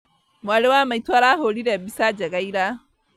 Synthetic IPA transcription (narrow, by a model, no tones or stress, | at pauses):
malewamajtaɾaɦoːɽidabisad͡ʒɐɡajɾa